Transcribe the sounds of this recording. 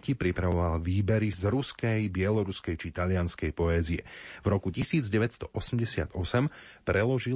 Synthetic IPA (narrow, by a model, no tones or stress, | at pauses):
cipɾipɾaʋɔʋalʋiːbɛɾizɾuskɛjbɪɛlɔɾuskɛjt͡ʃit̪aʎɪanskɛjpɔɛːziɛ̰vɾɔkucisiːd͡zɟɛʋɛt̪st̪ɔʔɔsɛmɟɛsɪa̰d̪ɔsɛm | pɾɛlɔʒi